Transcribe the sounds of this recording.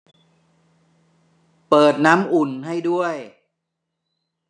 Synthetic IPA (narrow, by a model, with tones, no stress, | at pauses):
pɤː˨˩t̪̚naː˦˥mʔu˨˩nɦa˥˩jdu˥˩əj